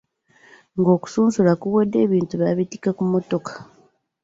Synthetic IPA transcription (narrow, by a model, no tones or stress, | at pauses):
ŋɡo̞ːku̥suːnsulakuβedːe̞ːβiːntuβaβitikakumo̞to̞kḁ